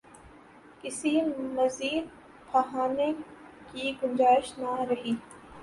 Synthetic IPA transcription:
kɪsimɐziːd̪̚ | pʰɐɦaːne | kiɡʊ̃ɲd͡ʒaːɪʃnaɾɐɦiː

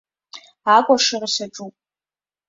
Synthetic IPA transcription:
akʷʼaʂɨrʃaʈ͡ʂʼupʼ

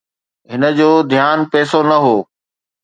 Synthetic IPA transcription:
ɦɪnə̆d͡ʑoːd̪ʱjaːnpɛːsonɐɦoː

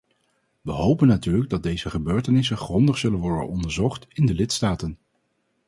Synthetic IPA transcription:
ʋəɦowpənːatyːɹləɡ̚dɑd̚dejzəχəbøːɹtənɪsənχrɔndəχsɵlənʋɔɹdə̰nɔndəɹzɔχtɪndəlɪtstaːtən

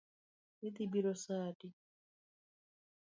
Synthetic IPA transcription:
it̪ibiɾɔsaːdi

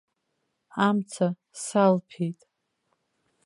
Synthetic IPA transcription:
amt͡sʰa | salpʰejtʼ

